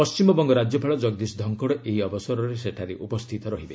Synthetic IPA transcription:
pɔst͡ʃimɔbɔŋɡɔɾad͡ʒjɔpʰaɭɔd͡ʒɔɡ̚d̪isd̪ʱɔŋkɔɽɔʔeɦiɔbɔsɔɾɔɾeseʈʰaɾeʔupɔst̪ʰit̪ɔɾɔɦibe

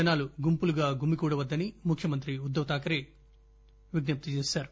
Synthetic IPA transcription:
ɐnaːluɡumpuluɡaːɡumikuːɽɐʋɐd̪ːɐnimukʰjɐmɐnt̪ɾiud̪ːɐʋɐt̪aːkɐɾe̞ː | ʋiɡnɐp̚t̪it͡ʃeːsaːɾu

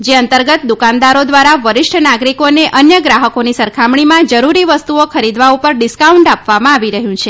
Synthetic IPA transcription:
d͡ʒeənt̪əɾɡət̪̚d̪ukãnd̪aɾod̪ʋaɾaʋəɾɪʃʈʰənaɡɾikoneʔʔənjəɡɾaɦəkonisəɾkʰamɳ̃imãd͡ʒəɾuɾiʋəst̪uokʰəɾid̪ʋaupəɾɖɪskauɳʈapʋamãaʋiɾəɦjũt͡ʃʰe

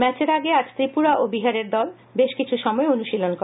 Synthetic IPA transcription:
mɛt͡ɕeɾaɡeaɾd͡ʑt̪ɾipuɾaʔobiɦaɾeɾd̪ɔl | beʃkit͡ɕʰuʃɔmɔeonuʃilonkoɾ

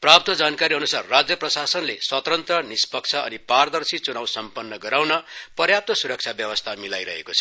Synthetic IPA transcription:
prap̚t̪ʌd͡zankaɾiʌnusarːad͡zjʌprʌsasʌnleswʌt̪rʌnt̪rʌnispʌk̚t͡sʰʌʌ̰nipard̪ʌrsit͡sunawsʌmpʌnːʌɡʌɾawnʌpʌrjap̚t̪ʌsuɾʌk̚t͡sʰabjʌbʌst̪ʰamilajɾʌɦḛkot͡sʰʌ

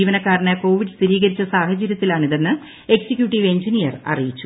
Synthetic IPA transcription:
iːʋɐnɐkːaːɾɐnɐko̞ːʋiɖɨst̪iɾiːɣɐɾit͡ɕːɐsaːhɐt͡ɕɐɾjɐt̪ːilaːɳiðɐnːɨ | e̞ksikjuːʈːiʋe̞ɲd͡ʑinijɐrɐ̰rijit͡ɕːu

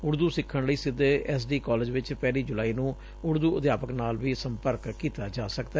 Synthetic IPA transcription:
ʊɽd̪uːsɪkʰːəɳləiːsɪd̪eːʔɛːs̬ɖiːkɔːlɪːd͡ʒʋɪt͡ʃpɛːliːd͡ʒʊlaːiːnũː | ʊɽd̪uːəd̪jaːpəknaːlʋiːsəmpəɾkːiːt̪aːd͡ʒaːsəkd̪a

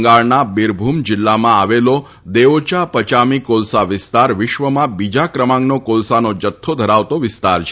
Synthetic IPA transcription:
ŋɡaɭnabɪɾbʱumd͡ʒɪlːamãaʋelo | d̪eʋot͡ʃapət͡ʃamikolsaʋɪst̪aɾʋɪʃʋəmãbid͡ʒakɾəmãŋɡnokolsanod͡ʒət̪ʰːod̪ʱəɾaʋt̪oʋɪst̪aɾt͡ʃʰ

